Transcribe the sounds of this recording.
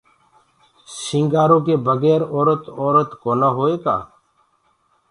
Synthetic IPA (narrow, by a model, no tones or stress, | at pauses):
sĩŋɡaːɾõːkeːbəɡɛːɾoːɾət̪oːɾət̪koːnaɦoːeːka̰ː